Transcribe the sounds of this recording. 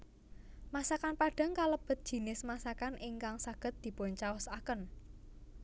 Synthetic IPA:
masakanpaɖ̥a̤ŋkaləb̥ə̤t̪̚d̥ʒ̥i̤nɪsmasakanʔɪŋkaŋsaɡ̥ə̤t̪̚d̪̥i̤pʊɲt͡ʃaʊsakən

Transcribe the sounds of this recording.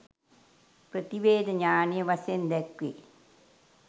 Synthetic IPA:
prɐt̪iʋeːd̪ɐɲaːnijɐʋɐsjend̪ɛkʋḛː

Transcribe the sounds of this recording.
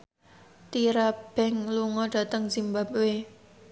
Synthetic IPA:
t̪iɾab̥ɛ̤ŋluŋɔɖ̥ä̤t̪əŋz̥imbap̚we

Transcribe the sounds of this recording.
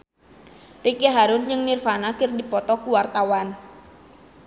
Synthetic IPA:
rikeɦaɾʊnd͡ʒɨŋnirfanakərdipɔt̪ɔkuwart̪awan

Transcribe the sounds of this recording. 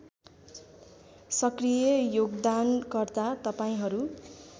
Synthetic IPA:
sʌkrijʌjoɡd̪ankʌrt̪at̪ʌpaĩɦʌɾu

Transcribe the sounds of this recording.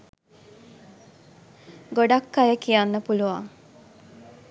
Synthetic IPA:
ɡoɖakːajəkijanːəpuluʋa̰

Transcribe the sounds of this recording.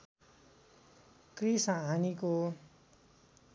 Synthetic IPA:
krisaɦaniko

